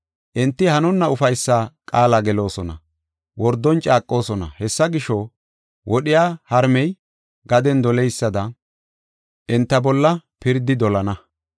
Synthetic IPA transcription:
ʔɪnt̪ːɪhɐnɔnːɐʊfɐjsːaːkʼaːlaɡɛlo̞ːsɔnɐ̰ | wɔɾd̪ːɔnt͡ʃʼaːkʼːo̞ːsɔnɐ̰hɛsːɐɡɪʃɔ | wʔɔɗɪjaːhɐɾmɛj | ɡɐd̪ɛnd̪ɔlɛjsːɐd̪ɐ | ʔɪnt̪ːɐbɔlːɐpɪɾd̪ɪd̪ɔlɐnɐ

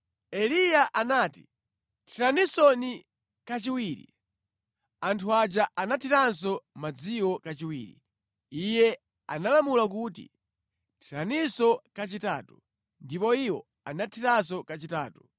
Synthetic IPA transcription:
ɛlijaʔanaːti | tʰiɾanisɔni | kat͡ʃiwiːɾḭ | antʰuad͡ʒaʔanatʰitans̬ɔmad͡ziwɔkat͡ʃiwḭːɾḭ | ijɛ | a̰nalamulak̬utḭ | tʰiɾanisɔkat͡ʃita̰ːtu | ndipɔiwɔ | anatʰitansɔkat͡ʃitaːtu

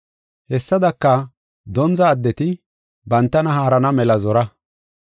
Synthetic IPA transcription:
hɛsːɐd̪ɐkːɐ | d̪ɔnzɐːd̪ːɛt̪ɪ | bɐnt̪ːɐnɐhaːɾɐnɐmɛlɐzɔɾɐ

